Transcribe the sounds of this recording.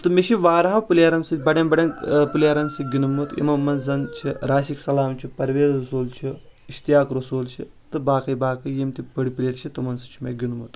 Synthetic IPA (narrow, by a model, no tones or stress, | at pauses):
t̪ɨmeʃiʋaːɾɦɐwpɨlʲjaːɾɐnsɨbɐɽɐnbɐɽɐnpɨlʲjaːɾɐnsɨɡʲinumːut̪ḭmɐmːɐnzɐnt͡ʃʰiɾaːʃiksɐlaːmt͡ʃʰipɐɾʋeːzɾɐsuːlt͡ʃʰi | iʃt̪ijaːkɾɐsuːlt͡ʃʰḭ | t̪ɨbaːkɐjbaːkɐjemt̪ʲibɐɽipilʲeːʈt͡ʃʰit̪ɨmɐnsɨt͡ʃʰimeɡʲinmut̪